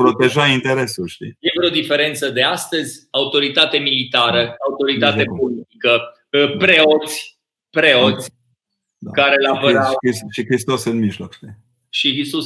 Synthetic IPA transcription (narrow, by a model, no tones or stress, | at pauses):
pɾo̞t̪eʒaint̪eɾe̞sulʃt̪ijjevɾeod̪ife̞ɾe̞nt̪səd̪e̞ast̪əzʲaut̪o̞ɾit̪at̪e̞milit̪aɾəaut̪o̞ɾit̪at̪e̞polit̪ikə | pɾe̞o̞t̪sʲ | pɾeo̞t̪sʲ | d̪akaɾe̞lapəɾakisʃikɾist̪osɨnmiʒlokt͡ʃle | ʃiɦisu